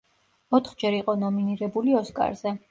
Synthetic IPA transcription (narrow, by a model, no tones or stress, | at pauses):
ɔt̪ʰχd͡ʒɛɾiqʼɔnɔminiɾɛbuliɔskʼa̰ɾz̥ɛ